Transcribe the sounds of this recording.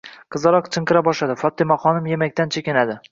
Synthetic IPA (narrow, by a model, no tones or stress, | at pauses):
qʰɨzɑɾɒqt͡ʃʰɨɴqɨɾabɒʃad̪ɪfɒt̪ːɪmaχɒnɪmjemakʲt̪ant͡ʃʰekʲɪnad̪ɪ